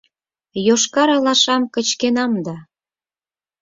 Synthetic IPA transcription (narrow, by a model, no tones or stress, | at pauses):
joʃkɑɾɑlɑʃɑmkə̆t͡ɕkenɑmd̪ɑ